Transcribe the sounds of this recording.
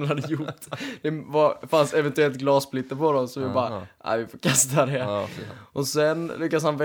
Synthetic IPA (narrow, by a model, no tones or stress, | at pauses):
ɾhad̪ːəjʊʈːd̪ɛvafansɛvɛnt̪ʉɛlt̪̚ɡlɑːsplɪt̪ːəɾpɔd̪ɔmsɔmvɪbɑːɾaʔa̰jvɪfoːkʰast̪ad̪ɛ | ʔɔsɛnlʏkːas̬hanvɛ